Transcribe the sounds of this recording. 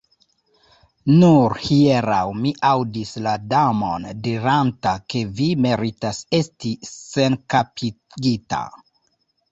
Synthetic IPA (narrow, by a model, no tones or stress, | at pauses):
nuɾhieɾawmiʔawdisladamo̞ndiɾantake̞vime̞ɾitase̞stise̞nkapi | ɡita̰